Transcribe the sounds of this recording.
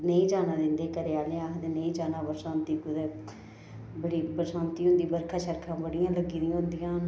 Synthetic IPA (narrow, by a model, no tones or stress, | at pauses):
nəĩːd͡ʒaːnaːd̪ɪnd̪eːkəɾeːaːleãːkd̪eːnəĩːd͡ʒaːnaːbəɾsãːnt̪iːkʊd̪eː | bəɽiːbəɾsãːnt̪iːɦʊ̃nd̪iːbəɾkʰaːʃəɾkʰãːbəɽɪjãːləɡiːnĩɦʊ̃nd̪ijãː